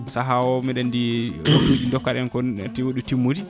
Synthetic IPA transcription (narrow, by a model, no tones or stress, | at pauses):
saɦawɔmɛɗandiwotːud͡ʒindɔkːaɾɛnkɔa̰tiwoɗutimːudi